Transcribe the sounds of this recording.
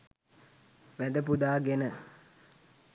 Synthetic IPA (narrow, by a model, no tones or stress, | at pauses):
ʋæd̪əp̬ud̪aːɡenə